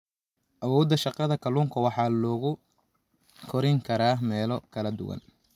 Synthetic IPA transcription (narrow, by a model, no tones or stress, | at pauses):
ʔɐwɔːd̪ɐʃɑqɑðɐkʰɐluːŋkʰɐwɑħɑːlɔːɣʊ | kʰɔɾɪŋkʰɐɾaːmɛːlɔkʰɐlɐd̪ʊ̰wɐ̰n